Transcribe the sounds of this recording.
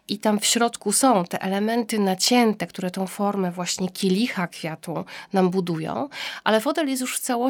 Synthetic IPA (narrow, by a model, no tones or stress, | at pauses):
ʔit̪amfɕɾɔt̪kusɔ̃w̃t̪ɛʔɛlɛmɛnt̪ɘnat͡ɕɛnt̪ɛkt̪uɾɛt̪ɔ̃w̃fɔɾmɛvwaɕɲɛkʲilʲixakfʲjat̪ũnambud̪ujɔ̰̃w̃ʔalɛfɔt̪ɛljɛst̪̬juʂft̪sawɔ